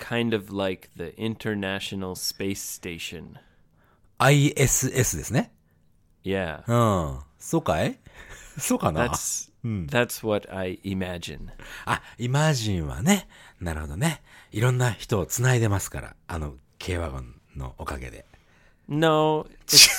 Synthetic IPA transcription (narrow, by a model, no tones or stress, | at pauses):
kʰãɪ̃ndʌvlaɪkðiʔɪ̃ntʰə˞næʃonl̩ˠspeɪsteɪʃɨ̰̃n | aiesɨʔe̞sɨd̪e̞sɨne | jæ̰ɯ̃ːsoːkae | soːkanaæs | ðætswʌɾa̰ɪʔɪmæd͡ʒɪ̰̃naimaʑĩɰ̃βa̰ne̞naɾɯ̟ho̞d̪o̞ne̞iɾõnːaçi̥t̪o̞ːt͡sɨnaid̪e̞masɨ̥ka̰ɾa̰ano | kʰe̞ːβaɡõ̰nːo̞̰ʔokaɡe̞̰d̪e̞̰ | noʊɪ